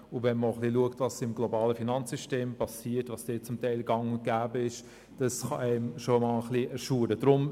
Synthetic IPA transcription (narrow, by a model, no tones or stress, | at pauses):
ʊvɛnməχliluəktvɑsɪmɡlobɑːləfinɑnt͡sːyʃteːmpɑsiːtvɑsd̥eːt͡sʊmtɛɪlɡ̥ɑŋʊɡ̥æːbəɪʃ | d̥ɑsχɑ̰ɛɪmʃomɑləχliɛɾʃuːɾəd̥ɾʊm